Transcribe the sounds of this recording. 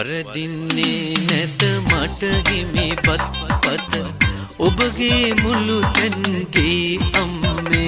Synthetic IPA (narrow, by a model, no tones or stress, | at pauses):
ɐɾɐd̪inːenɛt̪ɐmɐʈɐɡemibɐt̪̚pɐt̪ | obɐɡemulut̪ɐnɡeɐmːe